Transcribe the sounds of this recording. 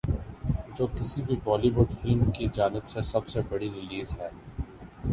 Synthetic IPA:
d͡ʒoːkɪsibʱibɔːliʋʊɖfɪlmkid͡ʒaːnɪbsesɐbsebɐɽiɾɪliːzɦɛː

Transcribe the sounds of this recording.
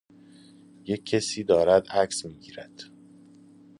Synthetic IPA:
jecʰːesiːd̪ɒːɾæd̪æksmiːɟiːɾæd̪̥

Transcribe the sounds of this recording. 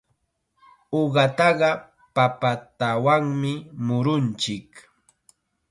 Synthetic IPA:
oɢɑt̪ɑɢɑ | papat̪awaŋmɪmʊɾʊnt͡ʃɪk

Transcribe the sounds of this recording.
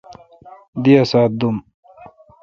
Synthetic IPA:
d̪iasaːt̪̚d̪um

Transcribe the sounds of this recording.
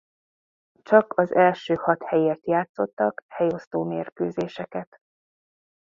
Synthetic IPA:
t͡ʃɒkɒzɛlʃøːhɒt̪hɛjeːrt̪jaːt̪so̞t̪ːɒkhɛjo̞st̪oːmeːrkøːzeːʃɛkɛt̪

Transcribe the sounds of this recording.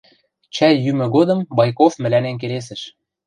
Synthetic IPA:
t͡ɕæjːymɘ̆ɣod̪ɤ̆mbɑjkofmɘ̆lænenk̬eles̬ɘ̆ʃ

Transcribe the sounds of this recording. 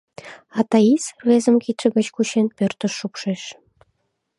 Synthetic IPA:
ɑt̪ɑisrezə̆mkit̪ʃə̆ɡə̆t͡ɕkuɕenpørt̪ə̆ʃːupʃeʃ

